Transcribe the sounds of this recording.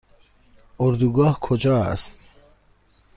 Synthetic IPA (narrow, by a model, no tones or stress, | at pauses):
oɾd̪uɡɒːhkʰod͡ʒɒːæ̰st̪